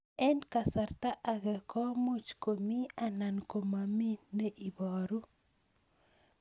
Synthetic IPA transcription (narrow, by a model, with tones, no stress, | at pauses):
ɛ˦nka˨sa˨ɾt̪a˦ʔa˨ɡɛ˨kɔ˦mu˦t͡ʃkomi˦ana˨nko˨mami˦nːe˦ʔi˨bɔ˨ɾu˦